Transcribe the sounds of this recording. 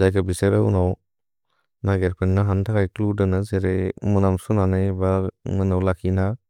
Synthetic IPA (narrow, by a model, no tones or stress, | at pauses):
zajkʰabiseɾaṵnaw | naɡeɾpʰɯnnaɦantʰakajkludɯnazeɾemɯnamsunanajbamɯnawlakʰina